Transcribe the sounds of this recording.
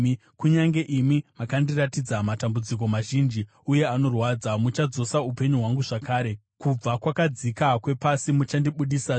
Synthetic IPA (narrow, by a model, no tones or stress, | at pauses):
kuɲaŋɡe̞ʔimimakandiratid͡zamatambud͡zik̬o̞maʒind͡ʒi | uje̞ano̞rwaːd͡zamut͡ʃad͡zo̞saupe̞ɲuɦwaŋɡuʐakaːɾe̞ | kub͡vakwakad͡zikakwe̞pasimut͡ʃandiɓuɗisa